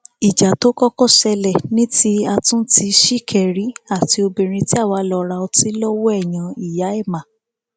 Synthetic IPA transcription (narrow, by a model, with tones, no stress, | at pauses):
i˨d͡ʒa˨to˨˦kɔ˦kɔ˦˨ʃɛ˧lɛ˨nĩ˦ti˦a˧tũ˦ti˧ʃi˦˨kʰɛ˨ɾi˨˦a˦˨ti˧o˧bẽ˧˨ɾ̃ĩ˧ti˦a˦˨wa˨˦lɔ˧ɾa˧ɔ˧ti˦lɔ˦wɔ˦ɛ˦˨j̃ã˧i˨ja˨˦ɛ˦˨mã˨